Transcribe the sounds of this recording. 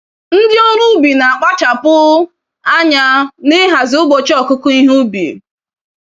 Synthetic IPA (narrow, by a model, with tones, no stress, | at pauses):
n̩˦dɪ˦ɔ˦ɾʊ˦bi˨na˨a˨k͡pa˦t͡ʃa˨pʊ˦ | a˦ɲa˦nɪ˦ɦa˨zɪ˨˦ʊ˦ɡ͡bo˨t͡ʃɔ˨kʊ˦kʊ˦i˦ɦu˦bi˨